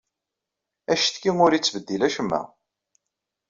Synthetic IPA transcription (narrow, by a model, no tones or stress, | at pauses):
æʃθkːiŋʊɾit͡sːvəd̪ːilæʃəmːæ̰